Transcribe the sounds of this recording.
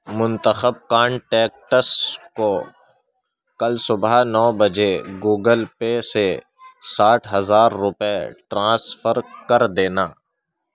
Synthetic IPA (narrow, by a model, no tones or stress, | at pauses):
mʊ̃nt̪əxəb̚kaːɳʈɛːk̚ʈəsko | kɐlsʊbanɔːbəd͡ʒeɡuːɡəlpese | saːʈʰɦɐzaːɾːʊpeʈɾãːsfəɾkɐɾd̪eːnaː